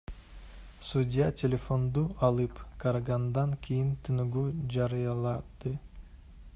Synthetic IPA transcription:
sudʲɪjatʲelʲefo̞nd̪uɑlˠɯpkaɾɡand̪ɑŋkʰʲijint̪ʰynyɡyd͡ʒɑɾɯjɑlˠɑd̪̥ɯ

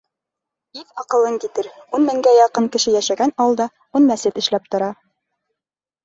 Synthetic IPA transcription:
iθɑqɤ̆lˠɤŋkit̪ɘɾunmɘ̆ŋɡæjɑqɤɴkɘ̆ʃɘjæʃæɡænɑwɤ̆lˠd̪ɑ | unmæsɘt̪ɘ̆ʃlæp̚t̪ŏɾɑ

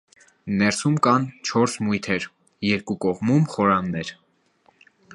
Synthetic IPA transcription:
nɛɾsumkɑnt͡ʃʰɔɾsmujt̪ʰɛɾ | jɛɾkukɔʁmumχɔɾɑnːɛɾ

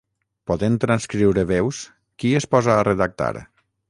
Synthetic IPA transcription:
pɔðent̪ɾanskɾiwɾeβews | kiespɔzaːreðak̚t̪a̰ɾ

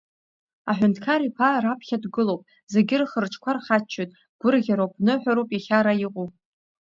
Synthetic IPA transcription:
aħʷᶣʊntʰkʰaɾipʰarapʰχʲadɡɨlowpʼ | zeɡʲɪrχərʈ͡ʂʰʼkʷʰarχat͡ʃʰːojtʼ | ɡ̥ʷʊrɣʲaɾopʰʼnɨħʷᶣaɾowpʼiχʲaɾajiqʷʼupʼ

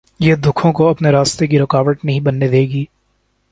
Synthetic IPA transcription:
jeːd̪ʊkʰõkoɐpneɾaːst̪ek̬iɾɪkaːʋəʈnɐɦĩbɐnːed̪eːɡiː

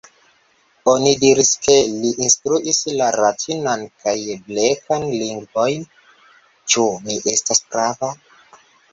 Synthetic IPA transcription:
onidiɾiske̞liʔinstɾuʔislaɾatʰinankajblekʰanliŋɡvo̞jn | t͡ʃumiʔe̞stasɡɾava

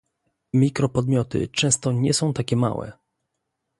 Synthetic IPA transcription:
mʲikɾɔpɔd̪mʲjɔt̪ɘ̰t͡ʂɛ̃w̃st̪ɔɲɛsɔ̃w̃t̪akʲɛma̰wɛ̰

